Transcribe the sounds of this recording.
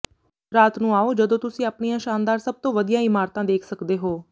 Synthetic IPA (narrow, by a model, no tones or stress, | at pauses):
ɾaːt̪nũːaːoːd͡ʒəd̪õːt̪ʊsĩːəpɳijãːʃaːnd̪aːɾsəb̚t̪õːʋəd̪ijãːɪmaːɾt̪ãːd̪eːkʰsəkd̪eːɦoː